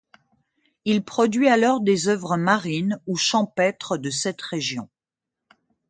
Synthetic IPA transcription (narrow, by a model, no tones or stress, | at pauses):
ilpχɔd̪ɥialɔʁd̪ezœvʁəmaʁinuʃɑ̃pɛt̪χəd̪əsɛt̪ʁeʒjɔ̰̃